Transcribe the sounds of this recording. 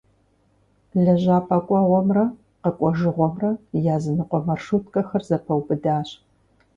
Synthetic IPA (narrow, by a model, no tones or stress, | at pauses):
ɮɐʑaːpʰʼaːkʷʼɑʁʷɔmrɐ | qɐkʷʼɔʒɨʁʷɔmrɐjaːzɨnɨqʷʼɔmɐrʂuːtkʼɐxɐrzɐpʰɐwbɨdaːɕ